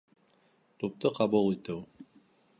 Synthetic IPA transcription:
t̪up̚t̪ɤqʰɑbulˠit̪ɘw

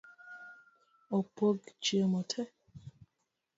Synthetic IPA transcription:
opoɡt͡ʃjəmɔtʰɛ

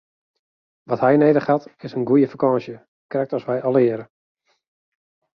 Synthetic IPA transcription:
ʋɔthɛjneːdəχhatɪsənɡujəfakɔːsjə | krɛk̚tɔsʋɛjɔlɪəɾə

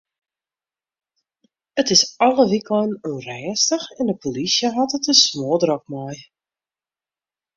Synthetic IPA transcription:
ətɪsɑləʋiklənørɛːstəxɛndəpʰolisjəɦɔtətəsmoːdrɔk̚mɔj

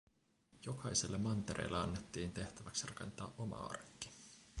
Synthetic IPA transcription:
jo̞kʰɑjselːemɑnt̪e̞ɾʔḛjlːeɑnːet̪ːiːnt̪e̞ht̪æʋæksirɑke̞̰nt̪ɑ̰ːʔʔo̞mɑ̰ɑ̰rkːi̥

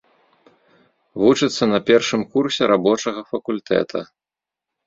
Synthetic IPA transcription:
vut͡ʂɨt̪sːɐnɐpʲɛrʂɨmkursʲɛɾabɔt͡ʂɐɣɐfɐkulʲt̪ʰɛ̰t̪ʰɐ̰

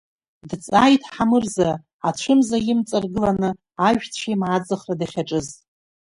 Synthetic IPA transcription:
dt͡sʼajtʰʼħamɨrza | at͡ɕʷʰɨmzajɪmt͡sʼarɡɨlanɨ | aʒᶣt͡sʷʰajmʕad͡zɨχradaχʲaʈ͡ʂʼɨztʼ

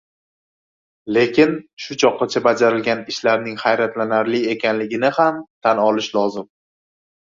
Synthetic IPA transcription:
le̞kʲɪnʃʊt͡ʃʰɒqːɑt͡ʃʰabad͡ʒaɾɪlɡʲanɪʃlaɾnɪŋhajɾat̪lanaɾlɪe̞kʲʰanlɪɡʲɪnɪhamt̪ʰanɒlɪʃlɒzɪm

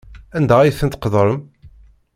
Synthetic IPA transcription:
ænd̪ææjθənt̪qðˤɾˤəm

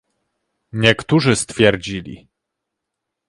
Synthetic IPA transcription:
ɲɛkt̪uʐɘst̪fʲjɛɾd͡ʑilʲḭ

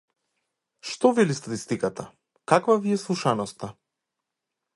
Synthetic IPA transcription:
ʃt̪ɔvɛlist̪at̪ist̪ikat̪a | kakvaviɛslˠuʃanɔst̪a

